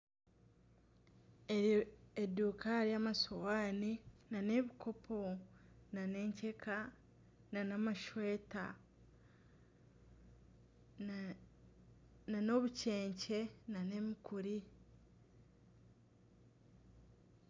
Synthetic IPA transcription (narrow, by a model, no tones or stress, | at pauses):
eduːkaɾiamasowaːninane̞βikʰo̞pʰo̞nane̞ːɲcekʰa | nanamaʃwe̞ːta̰ | nano̞βuce̞ːɲce̞nane̞mikuɾi